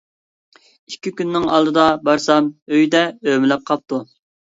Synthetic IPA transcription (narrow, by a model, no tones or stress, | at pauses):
ikʲʰːikʲynːɪŋɑ̰lˠd̪ɨd̪ɑbɑɾsɑmøjd̪ɛømɪlɛp̚qʰɑp̚t̪u